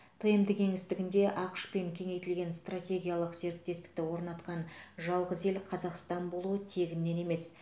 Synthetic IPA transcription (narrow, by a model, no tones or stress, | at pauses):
t̪ʰəjəmd̪əkʲʰe̞ŋɪst̪ɪɡʲɪnd̪e̞ʔɑqəʃpe̞ŋkʲʰe̞ŋe̞jt̪ɪlɡʲe̞nst̪ratʲe̞ɡʲijalˠəqze̞ɾk̚t̪ːe̞st̪ɪ̥k̚t̪ɪwo̞ɾnɑt̪qɑnʒɑlˠʁəze̞lqʰɑzɑqst̪ɑnbo̞lˠuət̪ʰe̞ɡʲɪnːe̞ne̞me̞s